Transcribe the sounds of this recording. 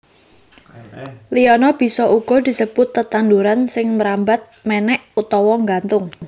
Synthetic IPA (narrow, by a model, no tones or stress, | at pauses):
liɔnɔb̥i̤sɔʔuɡ̥ɔ̤d̪̥i̤səb̥ʊt̪ːət̪and̪uɾansɪŋməɾambat̪̚mɛnɛʔut̪ɔwɔŋɡant̪ʊŋ